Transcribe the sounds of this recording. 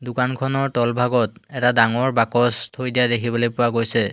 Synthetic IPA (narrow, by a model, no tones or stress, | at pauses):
dʊkankʰɔnɔɹtɔlbʱaɡɔt̚ɛtadaŋɔɹbakɔstʰojdijadekʰibɔlojpʊwaɡojsɛ